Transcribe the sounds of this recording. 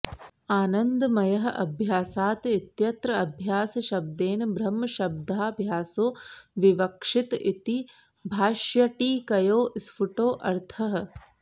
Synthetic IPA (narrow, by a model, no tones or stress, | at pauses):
aːnɐnd̪mɐjɐɦɐ̆ʔɐbʱjaːsaːt̪it̪jɐt̪ɾɐɐbʱjaːsɐʃɐb̚d̪eːnbʱɾɐmːɐʃɐb̚d̪ʱaːbʱjaːsoːʋiʋɐkʂit̪it̪i | bʱaːʃjɐʈiːkɐjoːʔsfuʈoːʔɐɾt̪ʰɐɦɐ̆